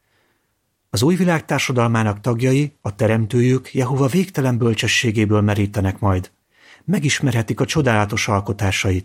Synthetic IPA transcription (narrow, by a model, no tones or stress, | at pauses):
ɒzuːjvilaːk̚t̪aːrʃɒd̪ɒlmaːnɒkt̪ɒɡjɒjiɒt̪ɛɾɛmt̪øːjykjɛɦo̞vɒveːkt̪ɛlɛmbø̞lt͡ʃɛʃːeːɡeːbøːlmɛɾiːt̪ɛnɛkmɒjd̪ | mɛɡiʃmɛrɦɛt̪ikɒt͡ʃo̞d̪aːlɒt̪o̞ʃɒlko̞t̪aːʃɒjit̪